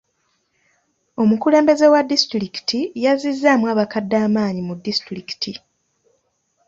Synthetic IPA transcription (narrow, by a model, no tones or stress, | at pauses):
o̞mukule̞ːmbe̞ze̞wadːistɾiki̥tijazizːamwaːβakadːaːmaːɲimudːistɾiki̥ti